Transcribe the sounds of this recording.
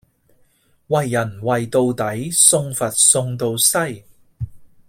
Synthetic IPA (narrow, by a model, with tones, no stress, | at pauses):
wɐ˨jːɐ˨˩nwɐ˨jt̪o˧wt̪ɐ˨˥jsʊ˧ŋfɐ˨t̚sʊ˧ŋt̪o˧wsɐ˥j